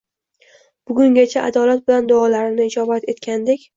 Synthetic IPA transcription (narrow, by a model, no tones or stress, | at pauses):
b̥ʊɡʲʊŋɡʲat͡ʃʰaʔa̰d̪ɒlat̪̚bɪland̪ʊɒlaɾɪnɪɪd͡ʒɒbat̪e̞t̪kʲand̪ekʲ